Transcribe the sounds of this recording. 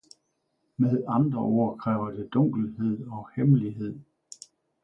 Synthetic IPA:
meðˠɑ̈nd̥ʁɐʔo̝̰ːɐ̰kʰʁɛ̰ːʊɐd̥e̝d̥ɔ̽ŋ̰ɡ̥l̩he̝ð̰ˠɒ̽hemliɦe̝ð̞̰ˠ

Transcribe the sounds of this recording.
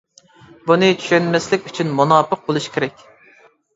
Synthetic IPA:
bunɨt͡ʃʰy̥ʃɛnmɛslɪkʲyt͡ʃʰynmunɑːpəq̚bolˠuʃkʲʰeɾɛkʲ

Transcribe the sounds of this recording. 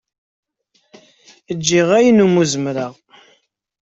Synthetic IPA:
əd͡ʒːiʁæjnumuzəmɾəʁ

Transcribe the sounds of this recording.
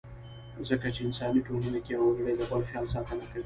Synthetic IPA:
zɐkɐt͡ʃɪnsʼaːniːtuːmʊnakʲeːʔawʊɽɽadakʷʼɐɽɸiʔansaːtanakɐɽe

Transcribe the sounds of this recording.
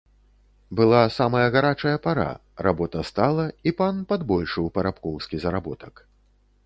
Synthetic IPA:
bɨlˠasamɐjɐɣaɾat͡ʂɐjɐpaɾa̰ | ra̰bɔt̪ɐst̪alˠɐipanpad̪bɔlʲʂɨwpɐɾapkɔwskʲizɐɾabɔt̪ɐk

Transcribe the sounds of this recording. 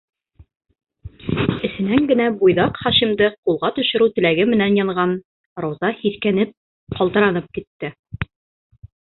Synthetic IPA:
ɘ̆sɘ̆næŋɡɘ̆næbujðɑqχɑʃimd̪ɤqulˠʁɑt̪ɵ̆ʃɘ̆ɾʉt̪ɘ̆læɡɘmɘ̆nænjɑɴʁɑn | ɾɑwzɑhiθkænɘp̚ | qɑlˠt̪ɤ̆ɾɑnɤp̚kit̪ːɘ

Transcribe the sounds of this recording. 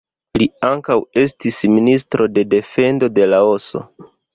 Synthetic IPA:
liaŋkawe̞stisministɾʔo̞de̞de̞fe̞ndo̞de̞lao̞so̞̰

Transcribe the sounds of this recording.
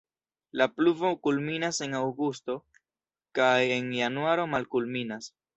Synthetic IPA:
lapluvo̞kulminase̞nawɡusto̞ | kaje̞njanuaɾo̞malkulminas

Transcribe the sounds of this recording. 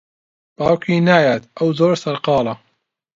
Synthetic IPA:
b̥aːwkʰiːnaːjaːt̪ʔɐwzoːɾsɐɾqɑːlɐ

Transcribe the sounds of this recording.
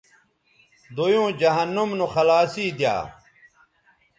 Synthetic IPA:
d̪ojõːd͡ʑɐɦɐnːumnuxɐlaːsiːd̪ja̰ː

